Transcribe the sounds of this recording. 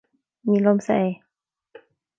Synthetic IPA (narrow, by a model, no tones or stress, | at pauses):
miːlomsa̰j